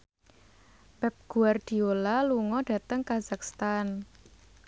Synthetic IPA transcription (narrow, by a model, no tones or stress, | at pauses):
pɛp̚ɡ̥uard̥i̤olaluŋɔɖ̥ä̤t̪əŋkazakst̪an